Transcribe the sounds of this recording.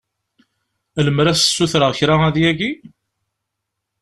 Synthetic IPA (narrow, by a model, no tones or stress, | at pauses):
æləmɾæsə̥sːuθɾəʁçɾaæðjæɡi